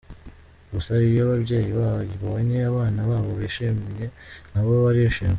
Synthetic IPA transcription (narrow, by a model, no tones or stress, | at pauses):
ɡusaɾijoβabje̞ːjiβaβiβooɲeaβaːnaβaːβo̞βeʃemje̞naβoβaɾieʃem